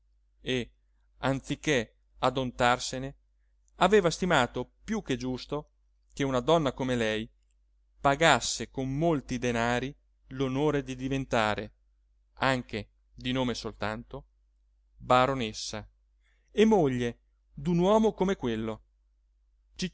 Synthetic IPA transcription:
e | ant̪sikːe | ad̪ont̪arsene | aveːvast̪imaːt̪opjuk̟ːed͡ʒust̪o | keunad̪ɔnːakomelɛj | paɡasːekomːolt̪id̪enaːɾi | lonoːɾed̪id̪ivent̪aːɾe | aŋk̟e | d̪inoːmesolt̪ant̪o | baɾonesːa | emːoʎːe | d̪unwɔːmokomekwelːo | t͡ʃi

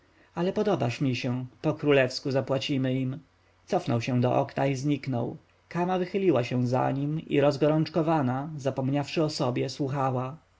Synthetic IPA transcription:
alɛpɔd̪ɔbaʂmʲiɕɛ̃pɔkɾulɛfskuzapwat͡ɕimɘim | t̪sɔfnɔwɕɛ̃d̪ɔ̰ʔɔ̰knaizɲiknɔ̰w | kamavɘxɘlʲiwaɕɛ̃za̰ɲimḭɾɔzɡɔɾɔnt͡ʂkɔvanazapɔmɲafʂɘɔsɔbʲjɛswuxawa

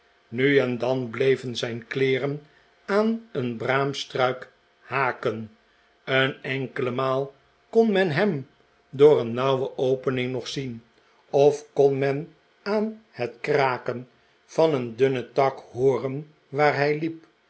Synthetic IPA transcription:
nyɛndɑnblejvənzɛjnklɪːrən | aːnənbraːmstrœɥk | haːkən | ənɛŋkələmaːlˠ | konmɛnɦɛm | dʊːrənːɑwwəʔowpənɪŋnɔχsin | ɔfkɔnmɛn | aːnhətkraːkən | vɑnəndʏnətɑkhoːrən | ʋaːɹɦɛjlip̚

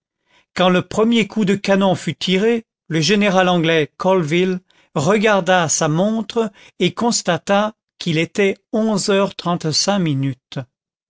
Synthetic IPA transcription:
kɑ̃ləpχəmjekʰud̪əkanɔ̃fyt̪ʰiʁe | ləʒeneʁalɑ̃ɡlɛkɔlvil | ʁəɡaʁd̪asamɔ̃t̪χə | ekɔ̃st̪at̪a | kilet̪ɛɔ̃zœʁt̪χɑ̃t̪sɛ̃minyt̪

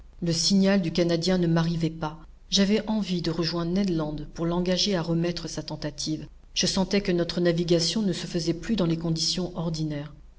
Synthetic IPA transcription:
ləsiɲald̪ykanad̪jɛ̃nəmaʁivɛpa | ʒavɛʔɑ̃vid̪əʁəʒwɛ̃d̪ʁnɛd̪lɑ̃d̪puʁlɑ̃ɡaʒeaʁəmɛt̪χəsat̪ɑ̃t̪at̪ʰiv | ʒ̥əsɑ̃t̪ɛkənɔt̪χənaviɡasjɔ̃nəsəfəzɛplyd̪ɑ̃lekɔ̃d̪isjɔ̃ʔɔʁd̪inɛːʁ

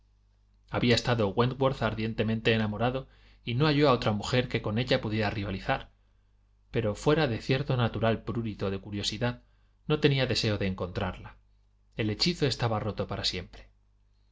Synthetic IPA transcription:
aβiae̞st̪aðo̞ɣwend̪ɡwoɾθaɾðje̞nt̪e̞mẽnt̪e̞ːnamo̞ɾaðo̞ | ino̞aʝo̞ao̞t̪ɾamuxe̞ɾke̞ko̞ne̞ʎapuðje̞ɾariβaliθaɾ | pe̞ɾo̞fwe̞ɾaðe̞θje̞ɾt̪o̞nat̪uɾalpɾuɾit̪o̞ð̞e̞kuɾjo̞siðað | no̞t̪e̞niaðe̞se̞o̞ðe̞ːŋko̞nt̪ɾaɾla | e̞le̞t͡ʃiθo̞e̞st̪aβaro̞t̪o̞paɾasje̞mpɾe

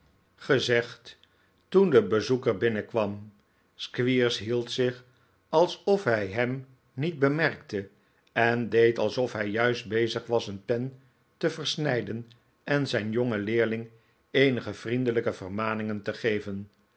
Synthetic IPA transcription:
χəzɛχt | tundəbəzukəɹbɪnəkʋɑm | skʋiɹsɦilˠtsɪχ | ɑlˠsɔfɦɛjɦɛm | nit̚bəmɛrk̚tə | ɛndejtɑlˠsɔfɦɛjːœɥsd̚bejzəχʋɑsənpɛn | təvəɹsnɛjdən | ʔɛnzɛjnjɔŋəlɪːɹlɪŋ | ejnəχəv̥rindələkəvərmaːnɪŋəntəχejvən

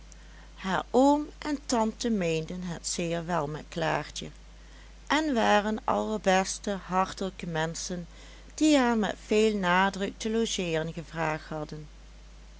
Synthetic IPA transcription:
haːɹoːmʔɛntɑntəmejndənɦətsɪːɹʋɛlˠmɛtklaːɹtə̰ | ʔɛnʋaːrənʔɑ̰ləɹbɛstəɦɑɹtələkəmɛnsən | d̥iɦaːɹmɛ̰tfeːlˠnaːdrək̚təloʒɪːrənɣəvraːχthɑdən

